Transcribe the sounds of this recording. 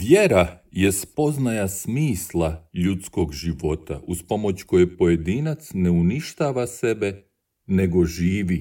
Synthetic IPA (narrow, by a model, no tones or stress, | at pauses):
ʋjeɾaje̞spo̞znajasmiːslˠaʎut̪sko̞ɡʒiʋo̞t̪a̰ʔuspo̞mo̞t͡ɕko̞jepo̞je̞d̪inat̪sne̞uniʃt̪aːʋase̞be̞ | ne̞ɡo̞ʒiːʋi